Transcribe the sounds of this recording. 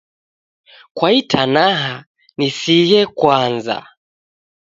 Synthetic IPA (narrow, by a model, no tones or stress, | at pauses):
kwaitʰanaɦa | nisijɛkwanza̰